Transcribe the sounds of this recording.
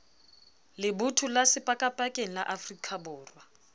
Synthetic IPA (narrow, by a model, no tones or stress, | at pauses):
lɪbʊtʰulasɪpʼakʼapʼakʼeŋ̩la̰ʔafrikʰʼabʊːrwa